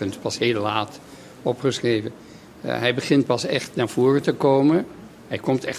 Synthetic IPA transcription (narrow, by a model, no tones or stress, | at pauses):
əntpɑsɦeːllaːt | ɔpχəsrejvən | ɦɛjbəχɪnt̚pɑsɛχtnaːɹv̥ʊːrətəkowmən | ɦɛjkɔmtɛχ